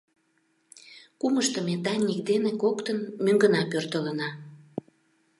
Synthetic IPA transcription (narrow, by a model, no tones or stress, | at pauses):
kuməʃt̪əmed̪ɑnʲnʲik̚d̪enekokt̪ənmøŋɡənɑpørt̪ələnɑ